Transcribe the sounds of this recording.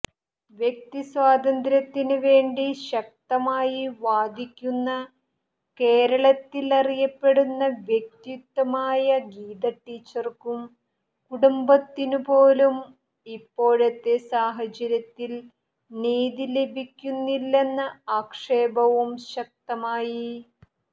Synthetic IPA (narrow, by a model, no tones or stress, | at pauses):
ʋjek̚t̪isʋaːd̪ɐnd̪ɾɐt̪ːinuʋe̞ːɳɖiɕɐk̚t̪ɐmaːjiʋaːd̪ʱikʲːunːɐ | ke̞ːɾɐɭɐt̪ːilɐrijɐpːe̞ɽunːɐʋjek̚t̪it̪ːɐmaːjɐɡiːd̪ɐʈːiːt͡ɕːɐrkum | kuɽumbɐt̪ːinupoːlum | ipːo̞ːɻɐt̪ːe̞saːɦɐt͡ɕɐɾjɐt̪ːil | niːðile̞bʱikʲːunːilːe̞nːɨaːkʂe̞ːbɐʋumɕɐk̚t̪ɐmaːji